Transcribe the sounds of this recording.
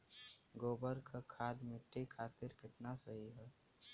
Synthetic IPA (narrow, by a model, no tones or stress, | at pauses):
ɡoːbəɾkʰakʰaːd̪mɪʈːikʰaːt̪ɪɾkɪt̪nasəɦiɦɛː